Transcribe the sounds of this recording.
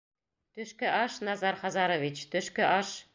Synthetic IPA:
t̪ɵ̆ʃkɘʔɑʃnɑzɑɾχɑzɑɾovʲit͡ɕt̪ɵ̆ʃkɘʔɑʃ

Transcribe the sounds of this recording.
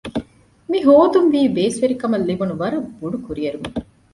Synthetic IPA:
miɦoːd̪unʋiːbeːsʋeɾikɐmɐlːibunuʋɐɾɐbuɖukuɾiɐɾumu

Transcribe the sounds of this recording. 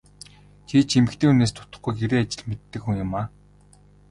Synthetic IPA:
t̪ʰiːt͡ɕʰemɘ̆kt̪ʰeːuneːst̪ʰʊ̥t̪ə̆χɡujɡeɾeːat͡ɕɪ̆ɮmet̪ːɘ̆kxuŋjʊmaː

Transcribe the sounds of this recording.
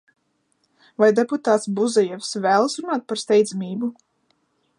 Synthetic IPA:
vajd̪eput̪aːt̪sbuzɛjɛfsvæːlˠsɾunaːt̪̚paɾst̪ʲɛjd̪zamʲiːbu

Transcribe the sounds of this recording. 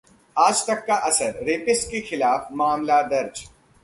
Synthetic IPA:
aːd͡ʒt̪ɐkːaʔɐsəɾɾeːpɪskexɪlaːfmaːmlad̪ɐɾd͡ʒ

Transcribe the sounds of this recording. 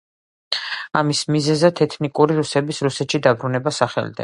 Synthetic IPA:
amismizɛzat̪ʰɛt̪ʰnikʼuɾiɾusɛbisɾusɛt̪ʃid̪abɾunɛbasaχɛ̰lid̪ɛ̰

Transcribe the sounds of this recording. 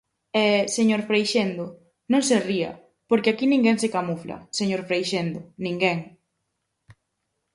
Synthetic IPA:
ɛseɲoɾfɾejʃend̪o | nõŋseriɐ̰ | poɾkɪakinĩŋɡɛŋsekamuflɐ̰seɲoɾfɾejʃend̪ʊnĩŋɡɛŋ

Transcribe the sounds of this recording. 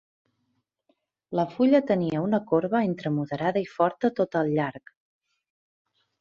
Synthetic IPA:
ləfuʎət̪əniəunəkoɾβəent̪ɾəmuðəɾaðəifɔɾt̪ət̪ot̪əlˠʎaɾk

